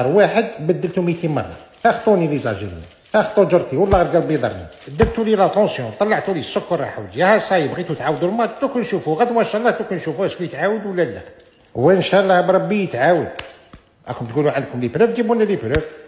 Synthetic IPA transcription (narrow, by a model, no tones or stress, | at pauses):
ɑɾˤwaħəd̪bəd̪ːəlt̪umit̪imɑ̰rˤːɑ̰tæxt̪ˤunilizɑ̰ʒə̰ɾḭ | t̪æxt̪ˤːud͡ʒəɾˤt̪iwəlːæɣɾˤɡælbid̪ˤɑ̰ɾˤnḭbəd̪ːəlt̪ulilæt̪ˤɑ̃sjɔ̃t̪ˤɑlːɑʕt̪ulisːʊkːɑɾˤːɑ̰ħa̰wd̪ijæhæsˤɑjəbɣit̪ut̪ʕawəd̪ulmɑt̪t̪ukʊnʃufuɣæd̪wænʃɑʔlˤːɑht̪ukʊnʃufuhæʃbijət̪ʕawəd̪wəlːælːæ̰ | wænʃɑlˤːɑhbɾˤɑbːijət̪ʕawəd̪̚ | ʔæ̰kʊmt̪ɡuluʕand̪̚kʊmlipɾəbd͡ʒ̪ibunːælibɾəb